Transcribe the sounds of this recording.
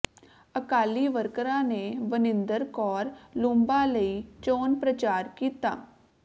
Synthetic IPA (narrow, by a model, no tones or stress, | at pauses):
əkaːliʋəɾkəɾãneʋənɪ̃nd̪əɾkɔːɾlũmbaləit͡ʃoːnpɾət͡ʃaːɾkiːt̪a̰ː